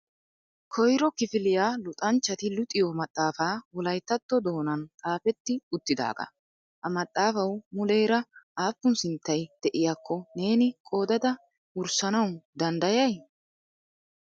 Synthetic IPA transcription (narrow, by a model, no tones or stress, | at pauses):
kʰɔjɾɔkɪfɪlɪjaːlʊt̪ʼɐnt͡ʃːɐt̪ɪlʊt̪ʼːɪjɔmɐt̪ʼːaːfaːwɔlɐjt̪ːɐt̪ːɔd̪o̞ːnɐnt̪ʼaːfɛt̪ːɪʊt̪ːɪd̪a̰ːɡɐ̰ | ʔɐmɐt̪ʼːaːfɐwmʊlɛjɾɐʔaːpːʊnsɪnt̪ːɐjd̪̥ɛʔɪjaːkːɔne̞ːnɪkʼo̞ːd̪ɐd̪ɐ | ʊɾsɐnɐwd̪ɐnd̪ɐjɐj